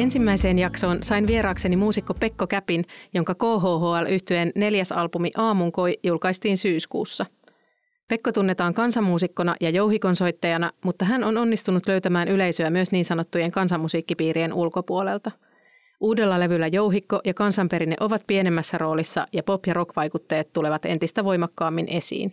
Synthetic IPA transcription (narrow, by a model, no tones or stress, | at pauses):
e̞nsimːæjse̞ːnjɑkso̞ːnsɑjnʋie̞ɾɑːkse̞nimuːsikːo̞pe̞kːo̞kæpinjo̞ŋkɑko̞ːɦo̞ːɦoːælʔyht̪yenːe̞ljæsɑlpumiʔɑːmuŋko̞jjulkɑist̪iːnsyːskṵːsːɑ | pe̞kːot̪unːet̪ɑːŋkɑnsɑmːuːsikːo̞nɑ̰jɑjo̞wɦiko̞nso̞jt̪ːɑjɑnɑmut̪ːɑɦæno̞no̞nːist̪unut̪lø̞ɥt̪æmæːnyle̞jsøæmyøsniːnsɑno̞t̪ːuje̞ŋkɑnsɑmːusiːkːipiːɾie̞nulko̞puole̞lt̪ɑ | ʔuːde̞lːɑle̞ʋylːæjo̞wɦikːo̞ʔjɑkɑnsɑmpe̞ɾinːeʔo̞ʋɑt̪̚pie̞ne̞mːæsːæro̞ːlisːɑ̰jɑpo̞pjɑɾo̞kʋɑjkut̪ːeet̪t̪ːule̞ʋɑt̪e̞̰nt̪ist̪æʋo̞jmɑkːɑːmːinʔe̞sḭːn